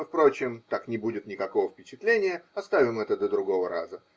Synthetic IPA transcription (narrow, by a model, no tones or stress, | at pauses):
ɨfpɾo̞t͡ɕɪmt̪aknʲɪbudʲɪt̪nʲɪkɐko̞vəfpʲɪt͡ɕɪt̪lʲenʲɪjəɐst̪avʲɪmɛt̪əd̪əd̪ɾʊɡo̞vəɾa̰zə